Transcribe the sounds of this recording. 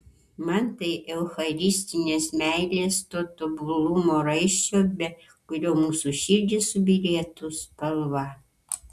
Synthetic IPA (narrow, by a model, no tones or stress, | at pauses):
mɐnt̪ɐɪʔɛʊxɐɾʲisʲt̪ʲɪnʲeːsmʲæɪlʲeːst̪oːt̪obʊlˠumoːɾɐɪʃʲt͡ʃoːbʲɛ | kʊɾʲoːmuːsuʃʲiɾʲd̪ʲɪsʊbʲɪlʲiɛt̪ʊspɐlˠʋɑ